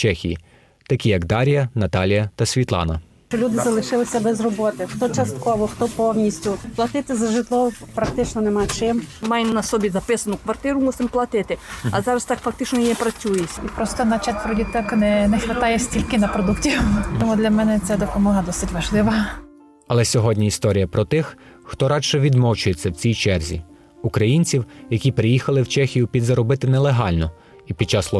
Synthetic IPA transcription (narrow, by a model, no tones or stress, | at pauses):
t͡ʃɛxʲijḭ | t̪ɐkʲijɐɡd̪ɑɾʲijɐnɐt̪ɑlʲijɐt̪ɐsʲʋʲit̪lˠɑ̰nɐ̰ | ʃt͡ʃɔlʲud̪ɪzɐlˠɪʃɪlˠɪsʲɐbɛzrɔbɔt̪ɪxt̪ɔt͡ʃɐst̪kɔʋɔxt̪ɔpɔwnʲisʲtʲʊplˠɐt̪ɪt̪ɪzɐʒɪt̪lˠɔwpɾɐk̚t̪ɪt͡ʃnɔnɛmɑt͡ʃɪmmɑjnɐsɔbʲizɐpɪsɐnʊkʋɐrt̪ɪɾʊmusɪmplˠɐt̪ɪt̪ɪɐ̰zɑɾɐst̪ɑkfɐkt̪ɪt͡ʃnɔjiɛpɾɐt͡sʲujɪsʲipɾɔst̪ɔnɐt͡ʃatʲpɾɔdʲit̪ɛknɛnɛxʋet̪ɑjɛsʲtʲilʲkɪnɐpɾɔd̪uktʲiwt̪ɔmud̪lʲɐmɛnɛt͡s̪ʲɛd̪ɔpɔmɔɦɐd̪ɔsɪtʲʋɐʒlˠɪʋɐ | ɐlˠɛsʲɔɦɔdʲnʲiist̪ɔɾʲijɐpɾɔt̪ɪx | xt̪ɔɾɑʃɛʋʲid̪mɔwt͡ʃʊjet͡sʲːɐwt͡sʲijt͡ʃɛrzʲḭ | ukɾɐjinʲt͡sʲiwjɐkʲipɾɪjixɐlˠɪwt͡ʃɛxʲijʊpʲid̪zɐɾɔbɪt̪ɪnɛlˠeɦɑlʲnɔ | ipʲid̥̚t͡ʃɑslˠɔ